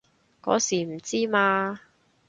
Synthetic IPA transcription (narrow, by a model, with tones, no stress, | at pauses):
kɔ̰ː˨˥siː˨˩m̩˨˩t͡siː˥maː˧